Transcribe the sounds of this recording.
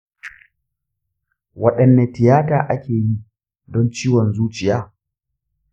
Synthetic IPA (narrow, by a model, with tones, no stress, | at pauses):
wɐ˦ɗɐ˨nːe˨tɪ˨jaː˦taː˨ʔa˦kʲeː˨ji˦ | dɔ˦nt͡ʃiː˦wɔ˨nzuː˦t͡ʃɪ˨jaː˦